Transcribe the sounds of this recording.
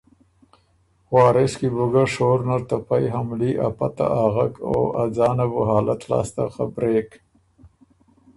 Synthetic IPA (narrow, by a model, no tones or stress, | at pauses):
ɣwɑːɾeskibʊɡaʂoːɾnaɾt̪apajɦamliʔa̰pat̪a̰ʔaːɣako̰ad͡zɑːnabuɦɑːlat̪lɑ̰ːst̪axabɾeːk